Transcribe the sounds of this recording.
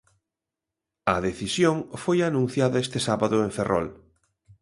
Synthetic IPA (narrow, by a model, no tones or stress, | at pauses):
ɐðeθisjoŋfojanũn̟θjaðɐest̪ɪsaβaðʊeɱferʔɔ̰l